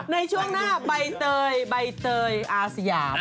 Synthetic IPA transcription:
nɨjt͡ɕʰuəŋnaːɓəjt̪əːjɓəjt̪əːjʔaːsijaːp̚

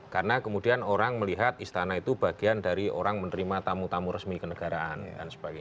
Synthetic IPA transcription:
karənakəmudianoɾaŋməliɦat̪̚ist̪anait̪ub̥aɡ̥iandaɾio̰ɾaŋmənəɾimat̪amut̪amuɾəsmikənəɡ̥aɾaʔandansə̥b̥aɡa

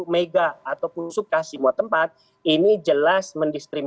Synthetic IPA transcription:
meɡaːt̪awpusukasimuat̪əmpat̪̚ | inid͡ʒəlasməndist̪ɾim

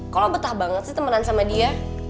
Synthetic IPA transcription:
kalobət̪ahbaŋət̪sit̪əmənansamadia

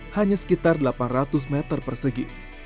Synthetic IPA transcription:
haɲasə̥kit̪ardəlapanrat̪ʊs̬mɛt̪ərpərsəɡi

